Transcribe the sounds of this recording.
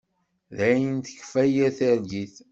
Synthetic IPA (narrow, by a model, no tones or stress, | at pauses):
ðæjənθə̥çfæjæθəɾɡiθ